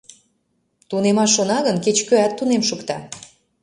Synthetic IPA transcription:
t̪unemɑʃːonɑɣənket͡ɕkøæt̪ːunemʃukt̪ɑ

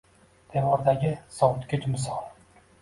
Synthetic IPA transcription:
d̪̥evɒɾd̪aɡʲɪsɒwʊt̪kʲɪt͡ʃmɪsɒlˠ

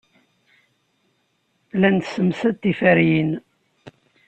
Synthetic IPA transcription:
lænt̪səmsæt̪ːifæɾjin

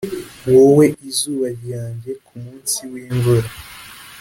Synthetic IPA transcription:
wowe̞ʔizuːβaɾjaːɲɟe̞kʰumuːnsiwiːɱvuɾa

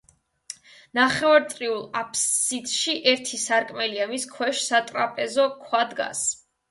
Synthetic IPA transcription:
naχɛvaɾt̪ʼɾiulˠapʰsit̪ʼʃiʔɛɾt̪ʰisaɾkʼmɛliamiskʰwɛʃsat̪ʼɾapʼɛzɔkʰwad̪ɡa̰s

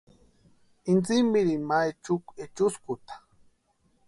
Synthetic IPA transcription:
int͡simiɾimajt͡ʃʊket͡ʃʊskʊt̪ḁ

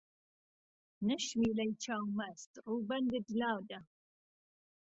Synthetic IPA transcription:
nɨʃmiːlɐjt͡ʃʰaːwmɐst̪ruːbɐnd̪ɨd̪laːwd̪ɐ

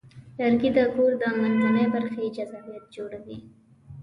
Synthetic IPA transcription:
laɾɡid̪əkoɾd̪əmalmanəjbaɾxed͡ʒazabjat̪̚d͡ʒoɽawi

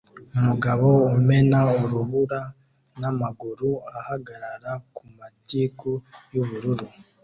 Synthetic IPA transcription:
umuɡaβo̞ume̞nauɾuβuɾa | namaɡuɾuahaɡaɾaɾakumatiːkujuβuɾuɾu

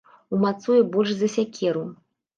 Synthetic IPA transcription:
umat̪sɔjibɔlʲʂzɐsʲakʲʰɛɾu

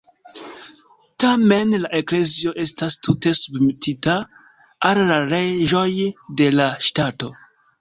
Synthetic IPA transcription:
tame̞nlaʔe̞kle̞zio̞ʔe̞stastute̞submitʰita | alːaɾe̞ʒo̞jde̞laʃtato̞

